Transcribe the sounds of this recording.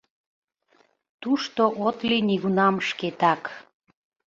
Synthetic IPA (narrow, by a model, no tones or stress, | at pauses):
t̪uʃt̪oʔot̪liniɣunɑmʃket̪ɑk